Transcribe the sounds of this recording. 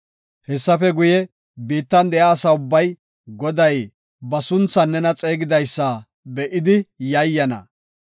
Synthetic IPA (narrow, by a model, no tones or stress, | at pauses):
hɛsːɐfɛɡʊjɛ | biːt̪ːɐnd̪ɛjaːsɐʊbːɐj | ɡɔd̪ɐj | bɐsʊnt͡sːɐnːɛnɐt͡sʼe̞ːɡɪd̪ɐjsːɐ | bɛʔɪd̪ɪjɐjːɐnɐ̰